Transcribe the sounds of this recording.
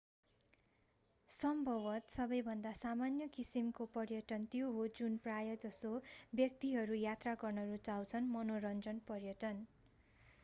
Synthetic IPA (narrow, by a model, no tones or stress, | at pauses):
sʌmbʱʌbʌt̪sʌbʌjbʱʌnd̪asamanjʌkisimkopʌrjʌʈʌnt̪joɦod͡zunprajʌd͡zʌsobjʌk̚t̪iɦʌɾujat̪raɡʌrnʌɾut͡saw̃t͡sʰʌnmʌnoɾʌnd͡zʌnpʌrjʌʈʌn